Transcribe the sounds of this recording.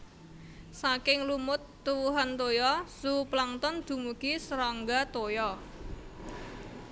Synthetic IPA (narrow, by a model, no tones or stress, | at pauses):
sakɪŋlumʊt̪ːuwuɦant̪ojɔsuplaŋt̪ɔnd̪̥ṳmuɡ̥isɾɔŋɡat̪ojɔ